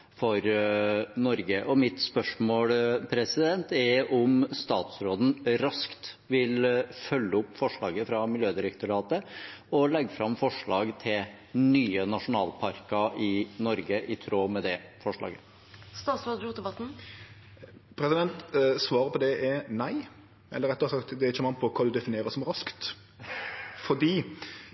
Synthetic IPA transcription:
fɔɾ | nɔɾɡəʔɔmɪt̪spœʂmoːlpʰɾɛsɪd̪ɛnt̪ɛɾɔmst̪ɑːt̪sɾoːd̪n̩ɾɑskt̪ | ʋɪlfœlːəʊpːfɔʂɭɑ̰ːɡəfɾɑmɪljøːd̪ɪɾɛkt̪ʊɾɑːt̪əɔlɛɡːfɾɑmfɔʂɭɑːɡt̪ʰɪl | nyːənɑʂʊnɑːlpʰɑɾkɑɪnɔɾɡəʔɪt̪ʰɾoːmɛd̪ɛfɔʂɭɑ̰ːɡə | st̪ɑːt̪sɾoːd̪ɾuːt̪ːəʋɑt̪n̩ | pʰɾɛsɪd̪ɛnt̪sʋɑːɾəpɔd̪ɛʔɛnæɪ | ʔɛ̰lːəɾɛt̪ːɔhɑsɑkt̪d̪ɛɾɪçːəmɑnpʰɔkʰɑːd̪ʉd̪ɛfɪneːɾəsɔmɾɑskt̪ | fɔd̪iː

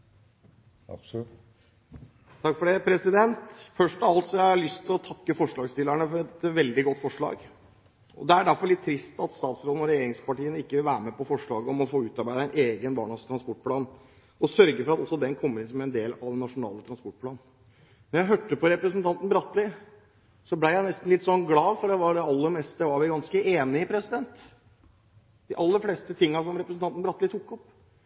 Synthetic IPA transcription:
t̪ʰɑkːfɔɖɛpʰɾɛsɪd̪ɛnt̪fœʂʈɔʋɑlt̪sjæhɑɭʏst̪ʰɪlɔt̪ʰɑkːəfɔʂɭɑːɡst̪ɪlæɳəfɔɾɛt̪ʋɛld̪ɪɡɔt̪ːfɔʂɭɑ̰ːɡ | ʔɔ̰d̪ɛæɖæɾfɔɾɭɪt̪ʰːɾɪst̪ɑt̪st̪ɑːt̪sɾoːd̪nɔɾɛjeːɾɪŋspɑʈiːənɪkːəʋɪlʋæːɾəmɛpɔfɔʂɭɑːɡəɔmɔfoːʉːt̪ɑɾbæɪd̪əæɪneːɡənbɑ̰ːɳɑst̪ʰɾɑnspɔʈ̚pʰlɑːn | ɔsœɾɡəfɔɾɑt̪ɔsːɔd̪ɛnkʰɔmːəɾɪnsɔmæɛnd̪eːlɑ̰ʋd̪ɛnːɑʂʊnɑ̰ːlət̪ʰɾɑnspɔʈ̚pʰlɑːn | nɔɾjæɪɦøːʈːəpʰɔɾɛpɾəsnt̪ʰɑnt̪n̩bɾɑt̪ːlɪ | sɔblæɪjæɪnɛst̪n̩lɪt̪ːsɔnːɡlɑːfɔɖɛʋɑɖɛɑlːəmɛst̪əʋɑɾʋɪɡɑnskəʔeːnɪɪpʰɾɛsɪd̪ɛnt̪ | d̪̥ɪʔɑlːəɾfleːst̪ət̪ʰɪŋːɑsɔmɾɛpɾəsnʰɑnt̪n̩bɾɑt̪lɪt̪ʰʊkːɔp

